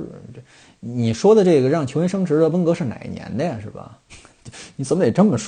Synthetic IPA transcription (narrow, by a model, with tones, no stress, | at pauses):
ni˨˩ʂwɔ˥d̪ə˨ʈ͡ʂɤ˥˩ɡə˩ɻɑ˥˩ŋt͡ɕʰjo˧˥jnʂɤ˥ŋʈ͡ʂʰɻ̩˧˥d̪ə˧˨wə˥nkɤ˧˥ʂɻ̩˥˩na̰˨˩ɪnjɛ̰˧˥nd̪ə˥˧˨ʂɻ̩˥˩bɐ̰˩˧ | ni˧˥t͡sə˨˩˦mə˦d̪e˨˩ʈ͡ʂə˥nmə˨ʂ